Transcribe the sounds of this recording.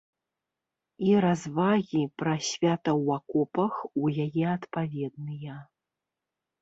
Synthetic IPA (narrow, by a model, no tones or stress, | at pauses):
iɾazvaɣʲipɾɐsʲvʲat̪ɐwakɔpɐxujajɛat̪pavʲɛd̪̚nɨjɐ